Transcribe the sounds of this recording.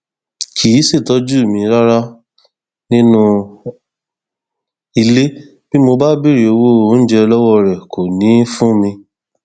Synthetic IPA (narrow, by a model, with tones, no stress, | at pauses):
kʰi˨˦se˦˨tɔ˨˦d͡ʒu˦˨mĩ˧ɾa˦ɾa˦ | nĩ˦nũ˦˧ | i˧le˦ | b̥i˦mo˧ba˦bi˦˨ɾi˨o˧wo˦o˦n̩˦d͡ʒɛ˧lɔ˦wɔ˦ɾɛ˨kʰo˨nĩ˨˦fũ˦mĩ˧